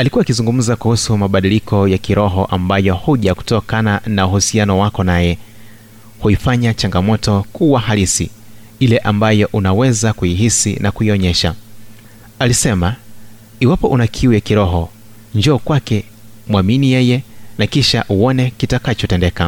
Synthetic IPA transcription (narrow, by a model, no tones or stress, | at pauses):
alikuwaːkizuŋɡum̩zakuhusumaɓaɗilikʰɔjakiɾɔɦɔʔambajɔhuʄaku̥tɔkananauhusianɔwakɔnajɛ | huifaɲat͡ʃaŋɡamɔtɔkuwahalisḭ | ilɛʔambajɔʔunawɛzakujiɦisḭnakuiɔɲɛʃa | alisɛma | iwapɔʔunakʰiujakiɾɔɦɔ | ɲd͡ʒɔːkwakɛ | mwaminijɛjɛnakiʃaʔuɔnɛkitakat͡ʃɔtɛndɛka